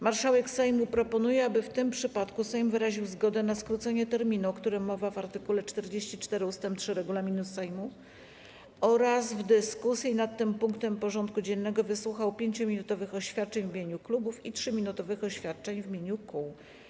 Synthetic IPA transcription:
maɾʂawɛksajmupɾɔpɔnujɛabɘft̪ɘmpʂɘpat̪kusajmvɘɾaʑiwzɡɔd̪ɛnaskɾut̪sɛɲɛt̪ɛɾmʲinuɔkt̪uɾɘmːɔvavaɾt̪ɘkulɛt͡ʂt̪ɛɾd͡ʑeɕt͡ɕit͡ʂt̪ɛɾɘust̪ɛmpt̪ʂɘɾɛɡulamʲinusajmu | ɔɾazvd̪ɘskusjinat̪ːɘmpuŋkt̪ɛmpɔʐɔnt̪kud͡ʑɛnːɛɡɔvɘswuxawpʲjeɲt͡ɕɔmʲinut̪ɔvɘxɔɕfʲjat̪̚t͡ʂɛɲvmʲeɲuklubufitʂɘmʲinut̪ɔvɘxɔɕfʲjat̪̚t͡ʂɛɲvmʲjeɲukuw

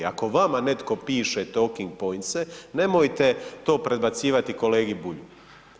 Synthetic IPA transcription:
a̰ko̞ʋamane̞t̪ko̞piːʃet̪o̞ːkiŋɡ̚po̞jnt̪sene̞mojt̪e̞t̪o̞ːpɾe̞d̪bat̪siːʋat̪iko̞le̞ːɡibuʎu

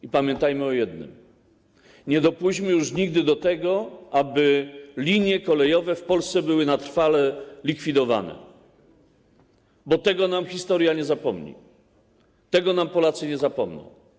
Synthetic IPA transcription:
ipamʲjɛnt̪ajmɘɔjɛd̪nɘ̰m | ɲɛd̪ɔpuʑmɘjuʂɲiɡd̪ɘd̪ɔt̪ɛɡɔʔabɘlʲiɲjɛkɔlɛjɔvɛfpɔlst̪sɛbɘwɘnat̪ɾfalɛlʲikfʲid̪ɔva̰nɛ̰ | bɔt̪ɛɡɔnamxʲist̪ɔɾjaɲɛzapɔmɲḭ | t̪ɛɡɔnampɔlat̪sɘɲɛzapɔmnɔ̰̃w̃

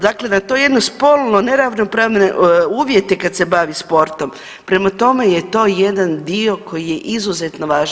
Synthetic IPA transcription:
d̪akle̞d̪at̪o̞jed̪nospolˠnoneɾaʋnopɾaːʋneuːʋje̞t̪ekad̪se̞baʋispo̞ɾt̪o̞m | pɾe̞mat̪o̞me̞jet̪o̞ːje̞d̪and̪io̞ko̞jije̞ʔizuzet̪no̞ʋaːʒ

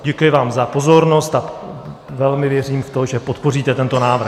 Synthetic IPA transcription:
ɟɛkʊjɪvaːmzapo̞zo̞ɾno̞st̪a | vɛlmɪvjɛriːmft̪o̞ʒɛpo̞t̪po̞riːt̪ɛt̪ɛnt̪o̞naːvɾr̩

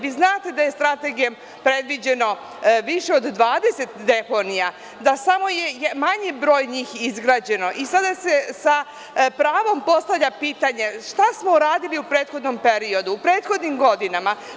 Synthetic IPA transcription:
ʋiznaːt̪e̞d̪aje̞st̪ɾat̪e̞ɡijom | pɾed̪ʋid͡ʑe̞no̞ | ʋiʃeo̞d̪ːʋaːd̪e̞se̞t̪d̪e̞po̞nija | d̪asamo̞jejmaɲebɾo̞ːjɲiːxizɡɾaːd͡ʑe̞no̞ʔisad̪asesa | pɾaːʋo̞mpo̞st̪aʋlʎapiːt̪aɲe̞ʃt̪asmo̞uɾaːd̪iliupɾeːt̪xo̞d̪no̞mpe̞ɾio̞d̪uːpɾe̞ːt̪xo̞d̪nimɡo̞d̪inama

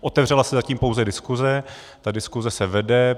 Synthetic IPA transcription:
ʔot̪ɛvr̝ɛlasɛzaciːmpo̞wzɛdɪskuzɛ | t̪adɪskuzɛsɛvɛdɛ

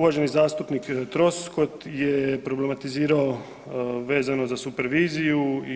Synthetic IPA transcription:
ʋaːʒe̞nizaːst̪upnikt̪ɾo̞sko̞t̪jepɾo̞ble̞mat̪iziːɾao | ʋe̞ːzanozasupeɾʋiːziju

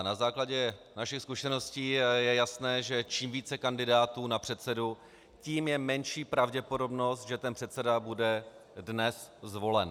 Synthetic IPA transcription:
nazaːklaɟɛnaʃɪxskuʃɛno̞sciːjɛjasnɛːʒɛt͡ʃiːmviːt͡sɛkandɪdaːt̪uːnapr̝̥ɛt̪sɛdu | ciːmjɛmɛnʃiːpɾavɟɛpo̞do̞bno̞st̪̚ʒɛt̪ɛnpr̥ɛt̪sɛdabudɛdnɛszvo̞lɛn

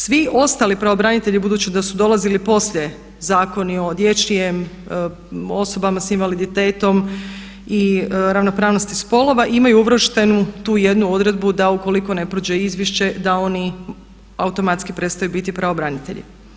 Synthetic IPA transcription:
sʋio̞st̪aːlipɾaobɾanit̪e̞ʎibud̪uːt͡ʃid̪asud̪o̞lˠazilipo̞sʎʲe̞ | zaːko̞nio̞d̪je̞t͡ʃijem | o̞so̞bamasinʋalid̪it̪e̞ːt̪o̞m | iɾaʋno̞pɾaːʋno̞st̪ispo̞lˠo̞ʋaʔimajuuʋɾʃt̪e̞nut̪uːje̞d̪nuo̞d̪ɾe̞d̪bud̪auko̞liko̞ne̞pɾod͡ʒeizʋjeʃt͡ɕe̞d̪ao̞ni | aut̪o̞mat̪skipɾe̞t̪st̪ajubit̪ipɾaobɾanit̪e̞̰ʎḭ

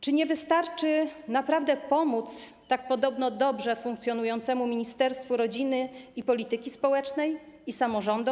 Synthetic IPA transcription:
t͡ʂɘɲɛvɘst̪aɾt͡ʂɘnapɾavd̪ɛpɔmut̪s | t̪ak̚pɔd̪ɔbnɔd̪ɔbʐɛfuŋkt̪sʲjɔnujɔnt̪sɛmumʲiɲist̪ɛɾst̪fuɾɔd͡ʑinɘipɔlʲit̪ɘkʲispɔwɛt͡ʂnɛjisamɔʐɔnd̪u

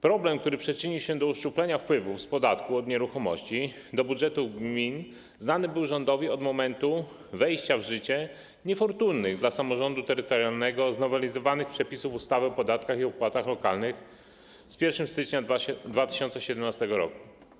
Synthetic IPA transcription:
pɾɔblɛmk̚t̪uɾɘpʂɛt͡ʂɘɲiwɕɛd̪ɔuʂt͡ʂuplɛɲafpwɘvufspɔd̪at̪kuɔd̪ɲɛɾuxɔmɔ̰ɕt͡ɕi | d̪ɔbudʐɛt̪uɡmʲin | znanɘbɘwʐɔnd̪ɔvʲiɔd̪mɔmɛnt̪u | vɛjɕt͡ɕavʐɘt͡ɕɛ | ɲɛfɔɾt̪unːɘɣd̪lasamɔʐɔnd̪ut̪ɛɾɘt̪ɔɾjalnɛɡɔznɔvɛlʲizɔvanɘxpʂɛpʲisufust̪avɘɔpɔd̪at̪kaxiɔpwat̪axlɔkalnɘx | spʲjɛɾfʂɘmst̪ɘt͡ʂɲad̪vat̪ɘ̥ɕɔnt̪sɛɕɛd̪ɛmnast̪ɛɡɔɾɔ̰ku̥

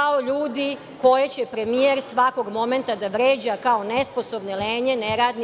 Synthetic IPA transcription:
ao̞ʎuːd̪i | ko̞jet͡ɕepɾe̞mijeɾsʋako̞ɡmo̞me̞nt̪ad̪aʋɾeːd͡ʑakao̞nespo̞so̞bneleːɲe̞neɾaːd̪n

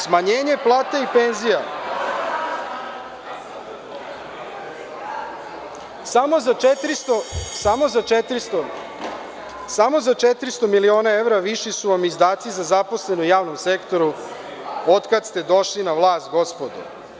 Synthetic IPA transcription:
smaɲeːɲe̞plˠaːt̪aipenzija | samozat͡ʃet̪ɾist̪osamo̞zat͡ʃet̪ɾist̪o | samo̞zat͡ʃet̪ɾist̪o̞milio̞ːnae̞ʋɾaʋiʃisuʋamizd̪aːt̪sizazapo̞sle̞nojaːʋno̞mse̞kt̪o̞ɾu | ot̪kad̪st̪e̞d̪o̞ʃlinaʋlˠaːst̪̚ɡo̞spod̪ṵ

